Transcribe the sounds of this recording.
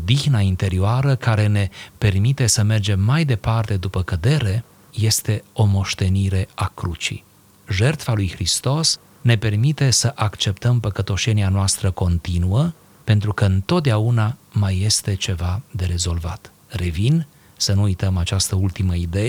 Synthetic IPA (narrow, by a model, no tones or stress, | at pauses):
od̪ixnaint̪e̞ɾioaɾəkaɾe̞ne̞pe̞rmit̪e̞səme̞rd͡ʒe̞mːajd̪e̞part̪e̞d̪upəkəd̪e̞ɾe̞ | je̞st̪e̞o̞mo̞ʃt̪e̞niɾe̞akɾut͡ʃḭ | ʒe̞rt̪falujxɾist̪o̞s | ne̞pe̞rmit̪e̞səʔakt͡ʃe̞pt̪əmpəkət̪o̞ʃe̞nianoast̪ɾəko̞nt̪inuə | pe̞nt̪ɾukəɨnt̪o̞t̪̚d̪eaunamajːe̞st̪e̞t͡ʃe̞vad̪e̞ɾe̞zo̞lva̰t̪ | re̞vin | sənuujt̪əmat͡ʃast̪əult̪iməid̪e̞je